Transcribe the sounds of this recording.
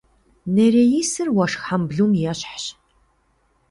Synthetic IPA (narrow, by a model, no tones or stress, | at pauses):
neɾejiːsɨrwɐʂxħambɮuːmjɛɕħɕ